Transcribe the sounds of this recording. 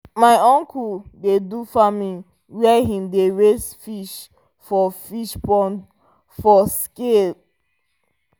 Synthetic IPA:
maɪɔ̃ŋkuldedufamĩn | wɛɦĩmdeɹesfiʃ | fɔfiʃpɔ̃n | fɔske

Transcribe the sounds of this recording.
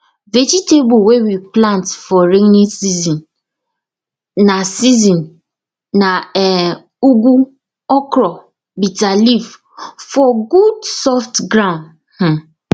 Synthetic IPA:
ved͡ʒitebʊwewiplãntfɔɾenisizɔ̃n | nasizɔ̃nː | aɛ | uɡu | ɔkɾɔ | bitalif | fɔɡudsɔftɡɾãʊ̃nd | h̩

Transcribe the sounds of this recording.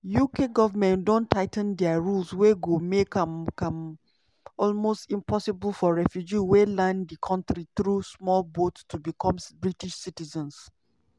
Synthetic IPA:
jukʰeɡɔvəmɛ̃ndõntʰːaɪtə̃ndɛaɹulsweɡomekakãm | ɔlmostĩmpʰɔsibəlfɔɹɛfjud͡ʒiwelãndikʰɔ̃ntɹiθɹusmɔlbottʰubikʰɔ̃mbɹitiʃsitizə̃ns

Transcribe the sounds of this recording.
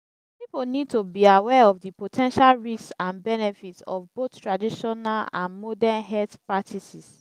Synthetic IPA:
pipolnid̚tobiawɛɔfdipotʰɛ̃nʃalɹissãnbɛnɛfitsɔ̰fbottɹadiʃɔnalã̰nmɔdɛnɦɛtpɹatʰisis

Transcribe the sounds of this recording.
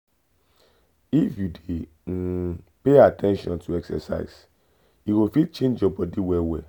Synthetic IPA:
ifjudẽ | peatʰɛ̃nʃɔ̰̃ntʰuɛksɛ̰sa̰ɪs | iɡofit͡ʃẽnd͡ʒɔbɔdiwɛwɛ

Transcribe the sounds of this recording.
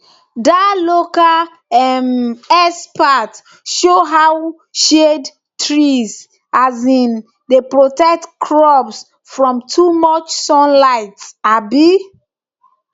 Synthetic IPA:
dalokal | ɛmɛspat | ʃoɦaw | ʃed | tɹiz | azĩn | depɹotɛk̚tkʰɹɔbs | fɹɔ̃mtʰumɔt͡ʃsɔ̃nlaɪtsabi

